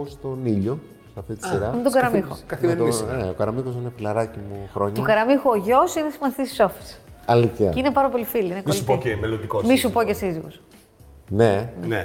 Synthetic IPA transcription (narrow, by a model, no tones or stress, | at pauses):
ost̪o̞niʎo̞ | sɐft̪it̪isiɾɐmit̪oɡɐɾɐmixo̰ɐθet̪oneokɐɾɐmixosinefilɐɾɐcimuxɾo̞ɲɐt̪okɐɾɐmixoːʝosinesimɐθissofi̥sɐliθiɐ̰inepɐɾɐpo̞lifiliinemolioemelond̪ikomisupocesiziɣo̰s | nene